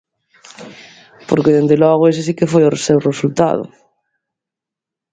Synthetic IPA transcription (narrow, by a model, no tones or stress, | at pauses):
po̰ɾkeðend̪elɔɣʊesesikefojʊrsewresult̪a̰ðʊ̰